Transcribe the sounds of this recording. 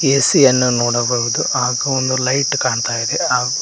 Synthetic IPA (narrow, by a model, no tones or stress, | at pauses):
eːsijɐnːunoːɽɐbɐːɣud̪uʔaːɡɐond̪ulɐjʈkaːɳt̪aːjid̪eaː